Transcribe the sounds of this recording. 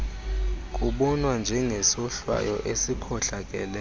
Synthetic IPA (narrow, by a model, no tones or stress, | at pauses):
k̬ʼuɓɔnwand͡ʒʱɛŋʱɛsɔɬwa̰jɔʔesikʰɔɬak̬ʼɛ̰lɛ